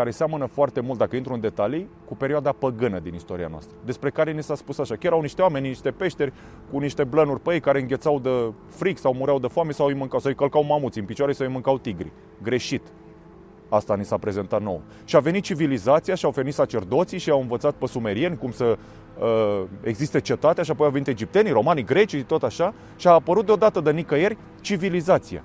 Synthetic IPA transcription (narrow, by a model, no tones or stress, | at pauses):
kaɾe̞seamənəfoart̪e̞mult̪̚d̪akəint̪ɾuɨnd̪e̞t̪alikupe̞ɾioad̪apəɡɨnəd̪inist̪o̞ɾia̰noa̰st̪ɾəd̪e̞spɾe̞kaɾe̞nisaspusaʃakʲeɾawniʃt̪e̞wamenʲniʃt̪e̞pe̞ʃt̪e̞rʲ | kuniʃt̪e̞blənurʲpəjejkaɾeɨŋɡʲe̞t̪sawd̪ə | fɾiksawmuɾeawd̪əfoamesawɨjmɨŋkawsaɨjkəlkawmamult̪siɨnpit͡ʃwaɾesəɨjmɨŋkawt̪iɡɾḭ | ɡɾe̞ʃit̪ | ast̪anisapɾe̞ze̞nt̪at̪no̞̰w | ʃiave̞nit̪̚t͡ʃivilizat̪sijaʃiawfenit̪sat͡ʃe̞rd̪o̞t̪siʃiawɨnvət̪sat̪̚pəsume̞ɾie̞nʲkumsə | əeɡzist̪e̞t͡ʃe̞t̪at̪eaʃ̬iapojawveit̪e̞d͡ʒip̚t̪e̞niɾo̞maniɡɾe̞t͡ʃit̪o̞t̪aʃa | ʃiaːpəɾut̪̚d̪eod̪at̪əd̪ənikəjerʲ | t͡ʃivilizat̪sija̰